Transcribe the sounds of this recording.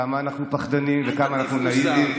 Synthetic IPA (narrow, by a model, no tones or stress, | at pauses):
amaːnaχnupaχd̪animvekamaːnaχnunajilim